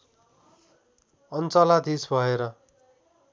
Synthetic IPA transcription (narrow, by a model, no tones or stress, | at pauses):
ʌnt͡sʌlad̪ʱisbʱʌeɾʌ